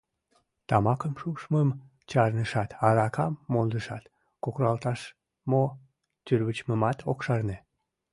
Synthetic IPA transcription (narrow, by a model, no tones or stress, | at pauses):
t̪ɑmɑkəmʃuʃməm | t͡ɕɑrnəʃɑt̪ɑɾɑkɑmːold̪əʃɑt̪ | kokrɑlt̪ɑʃ | mo | t̪yrβət͡ɕməmɑt̪okʃɑrne